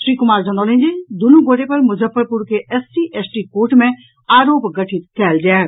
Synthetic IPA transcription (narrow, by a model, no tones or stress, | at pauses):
ʃɾiːkʊmaːɾzɐ̃nd̪ɔːlẽɲd͡ʑed̪ʊnũɡʱoːʈepɐɾmʊzəfəɾpʊɾkʰeʔɛsʈiʔɛːsʈikoːʈmẽ | aːɾoːpɡɐʈʰɪt̪̚kʰɛːld͡ʒaː